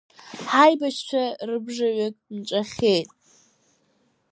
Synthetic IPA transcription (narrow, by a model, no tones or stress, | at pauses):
ħajbat͡ʃʰt͡ɕʷʰarɨbʐaɥakʼnʈ͡ʂʷʼaχʲejtʼ